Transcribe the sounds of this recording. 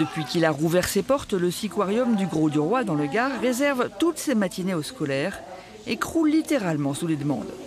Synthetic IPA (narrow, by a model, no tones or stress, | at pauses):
d̥̪əpɥikilaʁuvɛʁsepɔʁt̪ləsikwaʁjɔmd̪yɡʁod̪yʁwad̪ɑ̃ləɡaʁːezɛʁvt̪ut̪semat̪ineoskɔlɛːʁ | ekχulːit̪eʁalmɑ̃suled̪mɑ̰̃d̪